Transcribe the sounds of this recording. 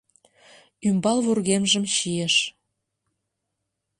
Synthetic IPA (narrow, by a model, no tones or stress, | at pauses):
ymbɑlβurɣemʒə̆mʃijeʃ